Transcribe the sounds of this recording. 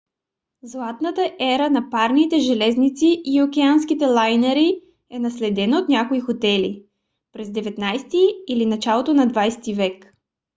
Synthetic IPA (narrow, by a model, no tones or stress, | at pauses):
zlˠat̪nət̪əʔɛɾənɐpaɾnit̪ɛʒɛlɛznit̪siʔiokʲɛanskit̪ɛlˠajnɛɾi | ɛnɐslɛd̪ɛnot̪nʲakoixot̪ɛlḭ | pɾɛzd̪ɛvɛt̪najst̪iːlinɐt͡ʃalˠot̪onɐd̪vajsɛ̥t̪ivɛk